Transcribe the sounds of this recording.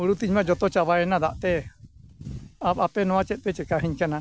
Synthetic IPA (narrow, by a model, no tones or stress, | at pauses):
uɽut̪iɲmad͡ʒɔt̪ɔt͡ʃaβaɛnad̪aʔt̪ɛ | apapɛnɔat͡ʃɛʔ̚t̪ɛt͡ʃɛkaɦiɲkana